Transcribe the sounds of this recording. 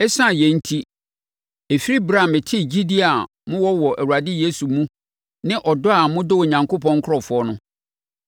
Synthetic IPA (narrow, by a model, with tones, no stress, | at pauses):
ɛ˦sã˦˨jɛ˨n̩˦tʰi˦ | e˨fi˦ɾi˦bɾã˦˨mɪ̃˨tʰɪ˦˨d͡ʑi˦di˦a˨ | mʊ̃˦wɔ˦wɔ˨ʔæ˨ɾu˨a˨dɪ˦je˦su˨mũ˦ | nɪ̃˦ʔɔ˨dʊ˦a˨mʊ̃˦dʊ˦wo˨ɲã˨ŋkʰo˦pɔ̃˦ŋ̩˦kʰʊ˦ɾɔ˨fʊ˨˦ɔ˦nʊ̃˦